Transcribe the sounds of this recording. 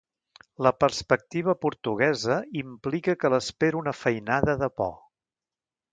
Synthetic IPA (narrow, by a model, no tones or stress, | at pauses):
ləpəɾspək̚t̪iβ̞əpuɾt̪uɣɛzəimplikəkələspeɾunəfəjnaðəðəpɔ̰